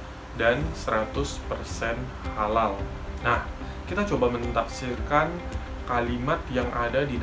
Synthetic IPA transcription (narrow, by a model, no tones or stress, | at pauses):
dansəɾat̪ʊspərsɛn | halal | nah | kit̪at͡ʃobamənt̪apsirkan | kalimat̪jaŋʔadadid